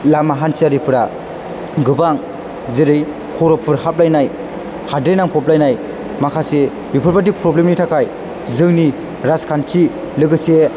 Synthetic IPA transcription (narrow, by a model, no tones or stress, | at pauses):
lamaɦansiaɾipʰɯɾa̰ | ɡɯbaŋ | zeɾɯj | kʰɔɾɔpʰɯɾhap̚lajnaj | hadɾejnaŋpʰɔp̬lajnaj | makʰase | bipʰɯɾpatipɾɔblemnitʰakʰaj | zɯŋni | ɾaskʰant͡ʃʰi | lɯɡɯse